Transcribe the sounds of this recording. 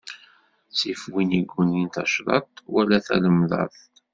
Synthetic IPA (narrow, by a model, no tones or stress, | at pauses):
sifwiniɡʷːunint̪ɑʃɾˤɑ̰t̪wælæθæ̰ləmðˤɑ̰ð